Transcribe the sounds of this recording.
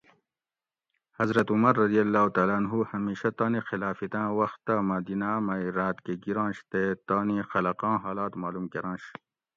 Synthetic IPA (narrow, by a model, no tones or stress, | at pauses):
hɐzɾɐt̪umɐɾːɐd̪ijɐlːaːut̪aːlanɦuhɐmiːʃɐt̪aːnixilaːfit̪ãːwɐxt̪ːamaːd̪iːnamaiɾaːt̪keɡiɾãːnɕt̪et̪aːnixɐlɐqɑ̃ːɦaːlaːt̪maːlumkeɾɑ̃ːnɕ